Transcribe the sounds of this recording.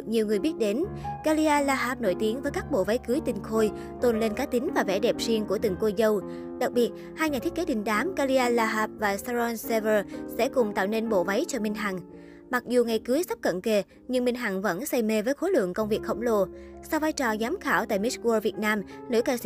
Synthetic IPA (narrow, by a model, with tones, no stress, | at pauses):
k̚ɲi˨˩əwŋɨ˨˩əjɓi˦˥ət̚ɗe˨˦nkaː˧li˧ʔaː˧laː˧ɦaː˨˥p̚no̰˧˩jt̪i˨˦əŋvəː˨˦jkaː˦˥k̚ɓo̰˧˨va˨˦jkɨ˨˦jt̪ï˨˩ŋ̟xo˧j | t̪o˨˩nle˧nkaː˨˦t̪ï˨˦ŋ̟vaː˨˩vɛ̰˧˩ɗɛ˨˩p̚zi˧əŋku˧˩ət̪ɨ˨˩ŋko˧jzə˧w | ɗa˨˩k̚ɓi˨˩ət̚ | haː˧jɲaː˨˩t̪i˦˥ke˨˦t̪ï˨˦ŋ̟ɗaː˨˦mka˧li˧ʔaː˧laː˧ɦaː˨˥˩p̚vaː˨˩saː˧zɔ˧nse˧vəː˧sɛ̰˧˥kʊ˨˩ŋ͡mt̪a̰ː˧˨wne˧nɓo̰˧˨va˨˦jt͡ɕɔ˧mï˧ŋ̟ɦa̰˨˩ŋ | ma˨˩k̚zu˨˩ŋa˨˩jkɨ˨˦jsa˦˥p̚kə̰˧˨nke˧˩ | ɲɨ˧ŋmï˧ŋ̟ɦa˧˨˩ŋvə̰˧˥nsa˧jme˧vəː˨˦jxo˨˦lwɨ̰˧˨əŋkə˧wŋ͡mvi˨˩ək̚xə̰˧˩wŋ͡mlo˧˨˩sa˧wvaː˧jt͡ɕɔ˨˩zaː˨˦mxaː˧˩wt̪a̰ː˧˨jmi˦˥t̚ku˧ə˧vi˨˩ət̚naː˧mno̰˧˥˦jkaː˧si˧˨